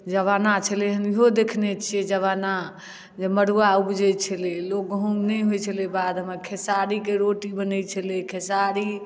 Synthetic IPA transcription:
d͡ʒəβanat͡ʃʰəleɦəniɦod̪ekʰnɛt͡ʃʰiɛd͡ʒəβana | d͡ʒeməɽuaubd͡ʒət͡ʃʰəlelok̚ɦõɡnɛjɦojt͡ʃʰəlebad̪mekʰesaɾikeɾoʈibənət͡ʃʰəlikʰesaɾi

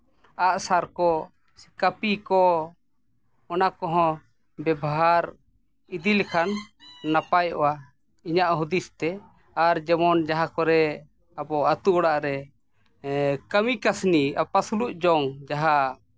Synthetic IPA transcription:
aʔsaɾkɔ | si̥kapikɔ | ɔnakɔɦɔ̃ | bɛbɔɦaɾ | id̪ilɛkʰanːapajʔɔ̰wa | iɲaʔɦud̪ist̪ɛ | aɾd͡ʒɛmɔnd͡ʒaɦakɔɾɛ | abɔat̪uʔɔɽaʔɾɛ | kəmikasnia̰pasuluʔ̚d͡ʒɔŋd͡ʒaɦa

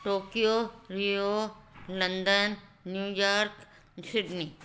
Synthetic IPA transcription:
ʈoːkijoːɾijolɐ̃nd̪ənːjuːjaːɾk | sɪɖni

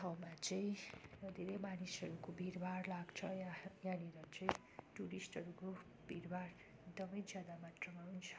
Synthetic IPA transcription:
t̪ʰawmat͡sʌĩd̪ʱeɾejmanisʌɾukobʱirbʱarlaɡt͡sʰʌjajaniɾʌt͡sʌĩ | ʈuɾisʈʌɾuko | b̥ʱiɾbʱar | ekd̪ʌmʌjd͡zjad̪amat̪rʌmaɦunt͡sʰʌ̥

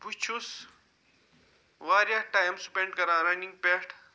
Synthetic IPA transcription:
put͡ʃʰus | ʋaːɾjaʈaːjimsu̥pẽɳɖkɐɾãːɾɐnĩŋɡ̚peːʈʰ

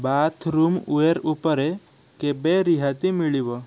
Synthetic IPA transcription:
bat̪ʰɾumueɾupəɾe | kebeɾiɦat̪imiɭiʋə

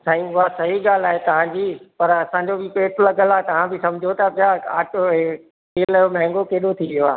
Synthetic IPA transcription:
saːĩʊɦasɐɦiɠaːl̤aːɦet̪ɐʋ̤ãɲd͡ʑiːpɐɾɐsãɲd͡ʑobɪpeːʈlɐɡəlaːet̪ɐʋ̤ãbɪsɐ̃md͡ʑʱot̪ɐpʰijaa̰ːʈoe | keːlɐjomɛ̃ɦɪ̃ŋɡokeːɗot̪ʰiʋijoa̰ː

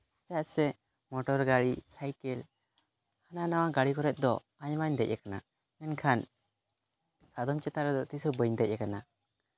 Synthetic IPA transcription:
t̪ajaʔsɛ | mɔʈɔɾɡaɽisajkɛl | hananawaɡaɽikɔɾɛt̪̚ˀd̪ɔ | aɲmaɲd̪ɛc̚jɛkana̰ | mɛnkʰan | sad̪ɔmt͡ʃɛt̪aɾɛd̪ɔt̪isubəɲd̪ɛc̚ˀːɛkana

